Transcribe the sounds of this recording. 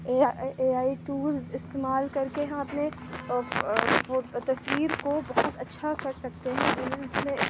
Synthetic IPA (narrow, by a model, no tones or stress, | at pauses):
eːaeːaːiʈuːzɪst̪eːmaːlkɐɾkeɦɐ̃ɐpne | ot̪ɐswiːɾkobɐɦʊt̪ɐtːʃʰakɐɾsɐk̚t̪eɦɛ̃ɐnĩʊsmẽ